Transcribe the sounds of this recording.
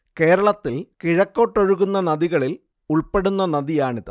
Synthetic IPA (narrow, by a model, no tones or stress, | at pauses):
ke̞ːɾɐɭɐt̪ːilkiɻɐkːo̞ʈːo̞ɻuɣunːɐnɐðiɣɐɭil | uɭpe̞ɽunːɐnɐðijaːɳiðɨ